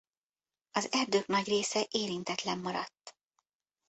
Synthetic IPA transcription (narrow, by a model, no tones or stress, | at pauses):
ɒzɛrd̪øːknɒɟreːsɛʔeːɾint̪ɛt̪lɛmːɒɾɒt̪ː